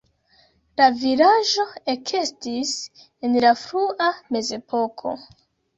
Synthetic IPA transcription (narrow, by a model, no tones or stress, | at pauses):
lavilaʒo̞e̞kʰestis | e̞nlafɾuʔame̞ze̞po̞kʰo̞̰